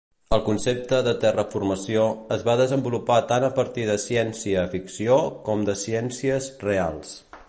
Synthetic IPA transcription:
əlˠkunsep̚t̪əðət̪ɛrəfurməsioəzβaðəzəmbulupat̪anəpəɾt̪iðəsɛnsiəːfiksiokɔmd̪əsiɛnsiəsrealˠs

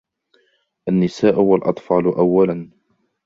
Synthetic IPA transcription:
ʔanːɪsaːʔʊwalʔɑ̰t̪ˤfɑːlʔawːalan

